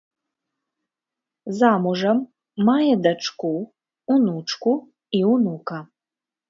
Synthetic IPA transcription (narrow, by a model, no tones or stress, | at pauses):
zaːmuʐɐmː | ajɛd̪ɐʈ͡ʂʰkʷu | unuʈ͡ʂku | iunukʰɐ